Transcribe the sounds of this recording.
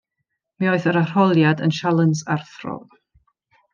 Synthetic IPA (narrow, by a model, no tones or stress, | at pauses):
miɔɨθəɾar̥ɔlˠjadə̰nʃalˠənsarθrɔ̰v